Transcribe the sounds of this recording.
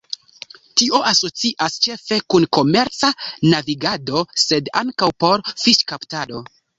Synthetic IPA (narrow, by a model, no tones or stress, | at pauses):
tiʔo̞ʔaso̞t͡siʔast͡ʃe̞fe̞kunko̞me̞ɾt͡sanaviɡado̞se̞da̰ŋkawpo̞ɾfiʃkaptado̞